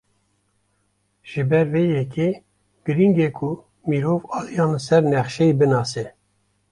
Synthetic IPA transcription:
ʒ̥ɨbɛɾveːjɛke | ɡ̥ɨɾiŋɡekʰu | miːɾovɑːlijɑːnsɛɾnɛχʃɛibɨnɑːsɛ

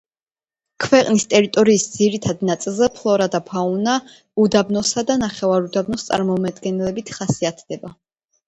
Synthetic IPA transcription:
kʰvɛqʼnist̪ʼɛɾit̪ʼɔɾiːsd̪ziɾit̪ʰad̪nat̪sʼilˠzɛpʰlˠɔɾad̪apʰauna | ud̪abnɔsad̪anaχɛvaɾud̪abnɔst̪sʼa̰ɾmɔmad̪ɡɛnɛlɛbit̪ʰχasiat̪ʰd̪̥ɛba

